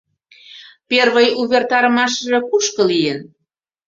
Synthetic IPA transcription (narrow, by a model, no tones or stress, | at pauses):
perβəjuβʲert̪ɑɾəmɑʃ̬əʒɑkuʃkə̆lijən